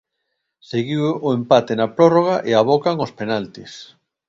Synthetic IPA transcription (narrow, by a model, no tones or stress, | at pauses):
seɣiwoempat̪enɐpɾoroɣ̞aʔeaβ̞okaŋospenalt̪is